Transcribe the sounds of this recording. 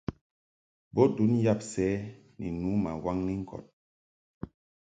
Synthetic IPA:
bo˦du˨˦nja˦˨p̚sɛː˦ | nḭ˨nu˨˦ma̰˨wa˦ŋni˦ŋ̩˦kɔ̰˨t̚

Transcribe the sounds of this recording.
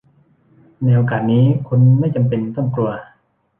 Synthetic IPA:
nɛː˧ʔo˧kaː˨˩t̪̚niː˦˥kʰu˧nma˥˩jt͡ɕa˧mpe˧nt̪ɔ˥˩ŋklu˧ɐ

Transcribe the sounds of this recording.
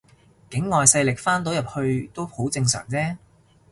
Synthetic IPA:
kɪ˨˥ŋːɔː˨jsɐ˧jlɪ˨k̚faː˥nt̪o˨˥wjɐ˨p̚hɵ˧ɥt̪o˥who˨˥wt͡sɪ˧ŋsœ̰ː˨˩ŋt͡sɛː˥

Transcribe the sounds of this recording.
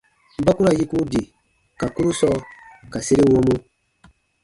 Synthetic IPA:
m̩˦ba˦ku˦ɾa˦˨ji˦ku˦di˨ | ka˨ku˦ɾu˦sɔ˦ka˨se˦ɾĩ˦wo˦mu˦

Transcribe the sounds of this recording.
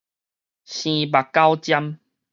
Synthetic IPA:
ɕĩ˧ba˨˩kkːa˦wt͡ɕja˦m

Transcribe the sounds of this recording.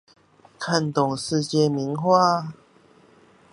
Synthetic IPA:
kʰə˥˧˩nt̪ʊ˨˩ŋʂɻ̩˥˧t͡ɕɛ˥˧mi˧˦nxwa˥˧˨

